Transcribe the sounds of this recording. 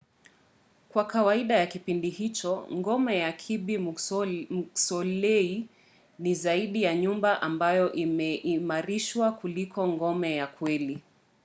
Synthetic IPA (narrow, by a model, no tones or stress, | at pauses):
kwakawaiɗajakipindihit͡ʃɔŋɡɔmɛjakʰiɓi | sɔlɛi | nizaiɗijaɲumbaʔambajɔʔimɛʔimaɾiʃwakulikʰɔŋɡɔmɛjakwɛli